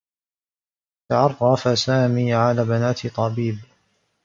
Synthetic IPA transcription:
t̪aʕɑrˤɑfasaːmiːʕalaːbanaːt̪t̪ˤɑbiːb

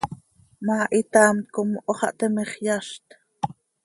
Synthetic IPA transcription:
mɑːʔit̪ɑːmkomʔoχɑ̰ʔt̪ɛmeχjɑʃt̪

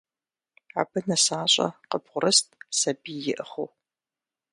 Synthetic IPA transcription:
ʕa̰bɨnɐsaːɕʼɐ̰qəbʁʷʊɾɨstʼsɐbiːjɪʔəχow

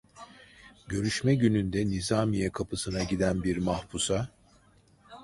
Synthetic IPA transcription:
ɟø̞ɾyʃmɛɟynynd̪ɛnizaːmijɛkʰapʰɯsɯnaɟid̪ænbiɾmahpusa

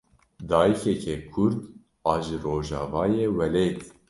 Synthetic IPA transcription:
d̪ɑːjikʰɛkʰɛkʰuɾd̪ | ɑːʒɨroːʒɑ̰ːvɑːjeːwɛlet̪

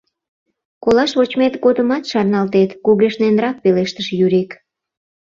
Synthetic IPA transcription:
kolɑʃβot͡ɕmet̪ɡod̪əmɑt̪ʃɑrnɑlt̪et̪kuɣeʃnenrɑk̚peleʃt̪əʃjyɾek

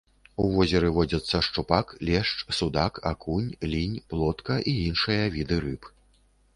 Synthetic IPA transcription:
uvɔzʲɛɾɨvɔd͡zʲɐt̪sːɐʂt͡ʂupaklʲɛʂt͡ʂsud̪akʰa̰kʰunʲlʲinʲplˠɔt̪kɐʔiinʂɨjɐvʲid̪ɨɾɨp

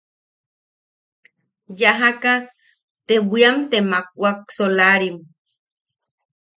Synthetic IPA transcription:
jaɦaka | t̪ebiamt̪emak̚uak̚solaɾim

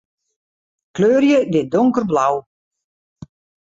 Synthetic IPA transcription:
kløːrjədɪdɔŋkərblaw

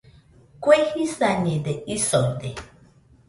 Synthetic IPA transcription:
kʷehisaɲed̪eisond̪e

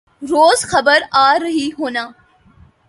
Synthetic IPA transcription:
ɾoːzxɐbəɾaːɾɐɦiɦoːnaː

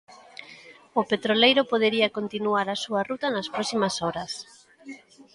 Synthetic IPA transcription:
opet̪ɾolejɾopoð̞eɾiakont̪inuaɾasuarut̪anɐspɾɔsimasɔɾɐs

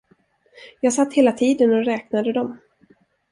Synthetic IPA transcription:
jɑːɡsat̪ːheːlat̪ʰiːd̪ənɔɾɛːk̚nad̪əd̪ɔm

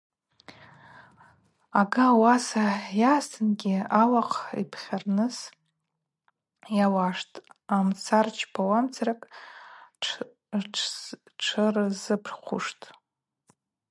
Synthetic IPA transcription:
aɡawasajaːstʰɨnɡʲiawaqʰʼḭpʰχʲarnɨs | jawaʂtʼamt͡sʰart͡ʃʰpʰawamt͡sʰaɾakʼʰ | ʈ͡ʂʰɨrzɨpʰrχʷʊ̰ʂtʼ

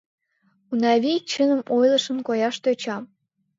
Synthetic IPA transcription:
unɑβʲit͡ɕənə̆mojlˠɤ̆ʃə̆nkojɑʃt̪øt͡ɕɑm

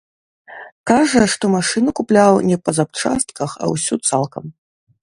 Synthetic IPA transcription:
kaʐɐʂt̪ɔmaʂɨnukuplʲawnʲɛpɐzap̚t͡ʂa̰st̪̚kɐxɐ̰wsʲut̪salˠkɐm

